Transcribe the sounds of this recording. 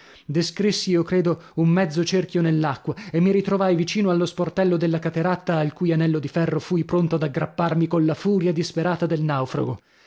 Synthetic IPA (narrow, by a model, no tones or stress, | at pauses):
d̪eskɾisːiokɾeːd̪oummɛd̪zːot͡ʃerkjonelːakːwaemːiɾit̪ɾovajvit͡ʃiːnoalːosport̪ɛlːod̪elːakat̪eɾat̪ːaːlkujanɛlːod̪ifɛrːofujpɾont̪oad̪aɡɾapːarmikonlafuːɾjad̪ispeɾaːt̪ad̪elnawfɾa̰ɡo